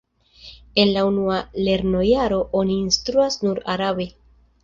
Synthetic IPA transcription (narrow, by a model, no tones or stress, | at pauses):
e̞nlaunuale̞ɾno̞jaɾo̞ʔo̞niːnstɾuasnuɾaɾaβe̞